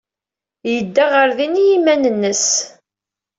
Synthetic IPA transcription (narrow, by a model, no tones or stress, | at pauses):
jəd̪ːaʁəɾðinijimænənːəs